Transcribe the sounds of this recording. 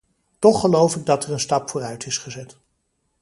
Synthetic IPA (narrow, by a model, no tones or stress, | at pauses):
tɔχːəlowfɪɡ̚dɑtɛrənstɑpfʊːrœɥtʰɪsχəzɛt